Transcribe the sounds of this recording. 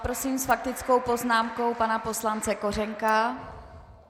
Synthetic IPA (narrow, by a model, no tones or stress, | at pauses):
pɾosiːmsfak̚t̪ɪt͡sko̞wpo̞znaːmko̞wpanapo̞slant͡sɛko̞rɛŋka